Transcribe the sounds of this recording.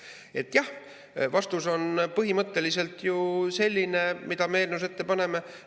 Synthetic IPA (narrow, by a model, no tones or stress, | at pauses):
e̞t̪ːˑjɑh | vɑst̪uso̞npɤɦimɤt̪ːe̞lise̞lt̪juse̞lʲːine̞mid̪̥ɑmeeːlneus̬e̞t̪ːe̞pɑne̞me̞